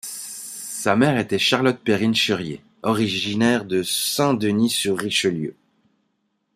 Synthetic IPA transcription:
samɛʁet̪ɛʃaʁlɔt̪̚peʁinʃœʁjḛ | ɔʁiʒinɛʁd̪əsɛ̃d̪ənisyʁːiʃəljø̰

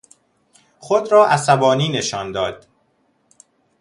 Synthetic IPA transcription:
xod̪ɾɒːʔæsæbɒːniːne̞ʃɒːnd̪ɒːd̪̥

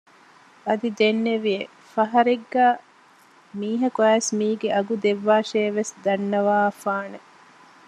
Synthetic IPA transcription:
ɐd̪id̪enːeʋie | fɐɦɐɾeɡːaː | miːɦɐkuæːsmiːɡeʔɐɡud̪eʋːaːʃeːʋesd̪ɐnːɐʋaːfaːne

